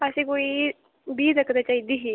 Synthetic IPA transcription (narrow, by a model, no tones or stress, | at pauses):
əsekoi | biːd͡zəkɾat͡ɕaid̪iɦi